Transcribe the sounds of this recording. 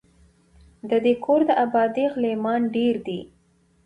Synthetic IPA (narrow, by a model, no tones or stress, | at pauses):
d̪əd̪ekʰoɾd̪əʔabɑd̪eɣlemɑnɖeɾd̪i